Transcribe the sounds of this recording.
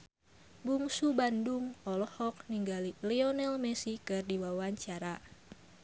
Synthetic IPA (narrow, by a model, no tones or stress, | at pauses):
buŋsubanduŋɔlɔhɔk̚niŋɡaliliɔnɛlmɛsikɨrdiwawaɲt͡ʃaɾa